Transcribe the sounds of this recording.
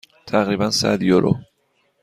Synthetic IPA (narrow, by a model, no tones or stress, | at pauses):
t̪ʰæɣɾiːbænsæ̰d̪joɾʔo̰